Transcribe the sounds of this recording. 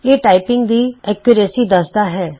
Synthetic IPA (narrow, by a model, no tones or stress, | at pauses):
eːʈaːɪpɪŋɡd̪iːɛːkjʊɾeːsiːd̪əsd̪aːɦɛː